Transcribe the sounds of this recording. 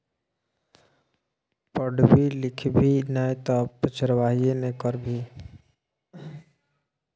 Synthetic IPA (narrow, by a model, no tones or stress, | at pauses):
pəɖbʱilɪkʰbʱinɛjt̪ɔpət͡ʃəɾwaːɦijenekəɾbʱi